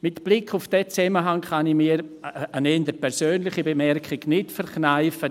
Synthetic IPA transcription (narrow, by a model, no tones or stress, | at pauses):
mɪtb̥lɪkʰʊfd̥ɛt͡sɛməɦaŋχɑnimiːəɾanɛndəpʰɛɾsøːnlɪχəbemɛrkχɪɡnɪtfɛɾknaɪfə